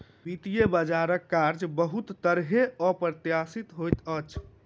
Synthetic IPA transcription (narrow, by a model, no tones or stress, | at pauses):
bit̪ijebəd͡ʒaɾəkːaɾd͡ʒbəɦut̪ːəɾɦeɔpɾət̪jasit̪ɦojt̪ət͡ʃʰ